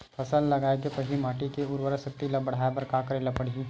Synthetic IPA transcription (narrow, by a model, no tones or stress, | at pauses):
pʰɐsənd̪lɐɡaːekepɐɦlimaːʈikeʊɾwəɾəsɐk̚t̪ilɐbɐɽ̤aːepɐɾkaːkɐɾelɐpɐɽ̤ii